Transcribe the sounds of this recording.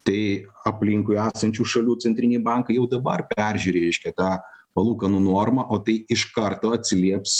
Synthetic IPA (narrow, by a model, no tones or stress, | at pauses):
t̪ɐɪɐpʲlʲɪŋkʊɪæːsɐnʲt͡ʃʲuːʃɐlʲuːtt͡s̪ʲɛnt̪ʲɪnʲɛɪbɐŋkɐɪjɛʊd̪ɐbɐrpʲæɾʲʒʲʉːɾʲːɾʲɛɪʃʲkʲɛt̪ɑːpɐlˠuːkɐnunoːrmɐʔoːt̪ɐɪɪʃkɐrt̪oːɐt̪ʲsʲɪlʲiɛps